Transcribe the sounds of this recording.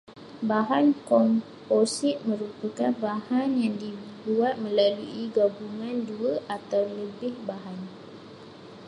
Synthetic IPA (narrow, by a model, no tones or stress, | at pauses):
baɦankɔmposɪt̪̚mə̃ɾupakanbahanjaŋdibuat̪̚mə̃laluʔiɡabuŋãnduəʔat̪awləbɪhbaɦan